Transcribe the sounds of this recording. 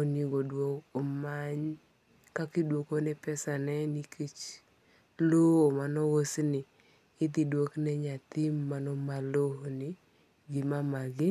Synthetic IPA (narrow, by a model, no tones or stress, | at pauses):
ɔniɡodwokɔmaɲ | kakidwokonɛpɛsanɛnikʰet͡ʃ | loomanɔwosnɪ | ɪt̪̬idwoknɛɲat̪ɪmːanɔmalohonɪ | ɡɪmamaɡɪ